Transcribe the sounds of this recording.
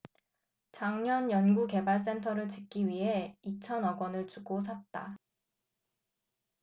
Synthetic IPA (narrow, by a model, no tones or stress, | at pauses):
t͡ɕaŋɲʌnjʌnɡuke̞baɭs̬͈e̞ntʰʌɾɯɭt͡ɕɯk͈̚iɥiɦe̞it͡ɕʰʌnʌɡwʌnɯɭt͡ɕuɡos̬ʰat̚t͈a